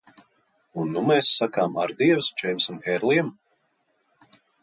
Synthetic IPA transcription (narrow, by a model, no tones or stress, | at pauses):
unːumɛːsːakaːmaɾd̪iɛvst͡ʃɛjmsumxɛɾlˠiɛm